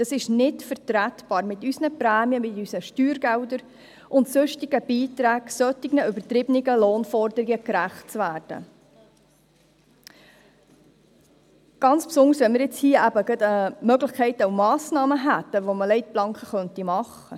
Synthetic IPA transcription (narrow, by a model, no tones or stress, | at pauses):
d̥ɑsɪʃnɪtfəɾtɾæt̪bɑːɾmɪt̪ysnəpɾæːmiəmɪtysəʃtyːɾɡæwdəɾ | ʔʊntsʊʃtɪɡ̥əbiːtɾæːɡ̥sœt̪ːɪɡnəʏbəɾt̪ɾɪbənɪɡəloːnfɔɾdəɾɪɡəkɾæχtt͡svæːrd̥ə̰ | ɡ̥ɑnt͡spsʊndəɾsʋɛnmɪɾjɪt͡shiːəʔæbəɡɑt̪əmœɡlɪχkʰɛɪtawmɑːsnɑːməɦæt̪ːəʋoməlɛɪt̚b̥lɑŋkχəχœntimɑχ | ə